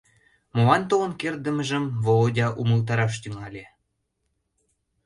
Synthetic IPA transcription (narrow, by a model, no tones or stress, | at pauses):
molɑnt̪olənkerd̪ə̆məʒəmvoodʲɑʔuməlˠt̪ɑɾɑʃt̪yŋɑlʲe